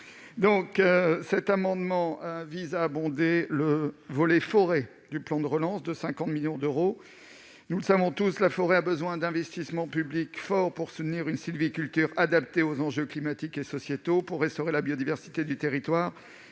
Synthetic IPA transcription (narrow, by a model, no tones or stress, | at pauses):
d̪ɔ̃køsɛt̪amɑ̃d̪mɑ̃əvizaːbɔ̃d̪eləvɔlɛfɔʁe | d̪yplɑ̃d̪əʁəlɑ̃sd̪əsɛ̃kɑ̃t̪miljɔ̃d̪øʁo | nuləsavɔ̃t̪uslafɔʁeabəzwɛ̃d̪ɛ̃vɛst̪ismɑ̃pyblikfɔʁpuʁsut̪niʁynsilvikʲylt̪yʁad̪apt̪eozɑ̃ʒøklimat̪ikesɔsjet̪opuʁːɛst̪ɔʁelabjod̪ivɛʁsi̥t̪ed̪yt̪eʁit̪waːʁ